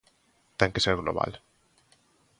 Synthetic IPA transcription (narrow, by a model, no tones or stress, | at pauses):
t̪aŋkeseɾɣlo̰βa̰l